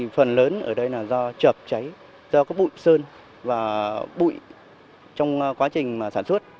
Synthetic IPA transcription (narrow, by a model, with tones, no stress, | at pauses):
fə˨˩nləː˨˦nʔəː˧˩ɗə˧jlaː˨˩zɔ˧t͡ɕə˨˩p̚t͡ɕa˨˦j | zɔ˧kaː˨˦j̚ɓṵ˧˨jsəː˧n | vaː˨˩ɓṵ˧˨j | t͡ɕɔ˧wŋ͡mkwaː˨˦t͡ɕï˨˩ŋ̟maː˨˩saː˧˩nswə˦˥t̚